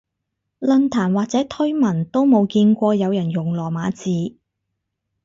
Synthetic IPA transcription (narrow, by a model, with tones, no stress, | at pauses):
lɵ˧nt̪ʰaː˨˩nwaː˨k̚t͡sɛː˨˥t̪ʰɵ˥ɥmɐ˨˩nt̪o˥wmo˨˧wkiː˧nkʷɔː˧jɐ˨˧wjɐ˨˩njʊ˨˩ŋlɔː˨˩maː˨˧t͡siː˨˧